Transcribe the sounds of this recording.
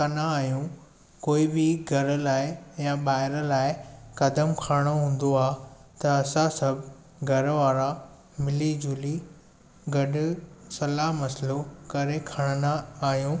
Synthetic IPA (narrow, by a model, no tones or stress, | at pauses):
kɐnaaːɦijũ | koːibɪɡʱɐɾəlaːɪjãɓaːɦɪɾə̆laːɪkɐd̪əmkʰaːɽ̃oɦũːn̆d̪oaːt̪ɐɐsãsɐbʱ | ɡʱɐɾʋaːɾa | mɪlid͡ʑʊli | ɡɐɗʊ̆sɐlaːɦmɐsɪlokɐɾekʰɐɽ̃ənaaːɦijũ